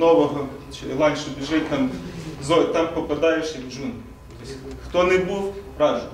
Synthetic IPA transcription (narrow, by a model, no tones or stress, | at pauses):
nɔʋɔɦɔ | t͡ʃɪlˠɑnʲʃɛbʲiʒɛjʲt̪ɑmzɔt̪ɑmpɔpɐd̪ɑjɪʃjɐkd͡ʒun | t̪ɔsʲxt̪ɔnɛbuwpɾɑʒʊ